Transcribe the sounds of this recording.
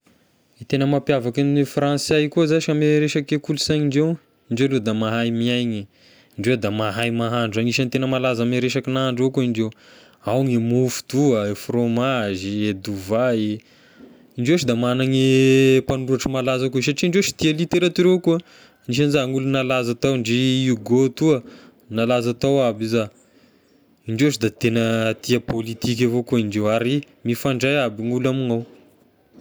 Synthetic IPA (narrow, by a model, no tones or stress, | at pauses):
it̪enəmapjavakinifrãnsajkuzaʃameɾeʃakekulusaɲiɳɖ͡ʐew | iɳɖ͡ʐewlod̪amaɦajmiajɲi | iɳɖ͡ʐewd̪amaɦajmaɦaɳɖ͡ʐaniʃanit̪enəmalazameɾeʃakinaɦaɳɖ͡ʐekuiɳɖ͡ʐew | awŋimufu̥d̪uəefromazied̪uvai | iɳɖ͡ʐewʃid̪amanaŋipanuaʈ͡ʂəmalazakus̬aʈ͡ʂiɳɖ͡ʐewʃi̥t̪ialit̪eɾat̪iɾewku | niʃ̬anzaŋulunalazat̪awɳɖ͡ʐiuɡot̪uə | nalazat̪awabiza | iɳɖ͡ʐewʃid̪at̪enət̪iəpolit̪ik̬ʲavokuiɳɖ͡ʐewaɾi | mifaɳɖ͡ʐajabiŋulamiŋaw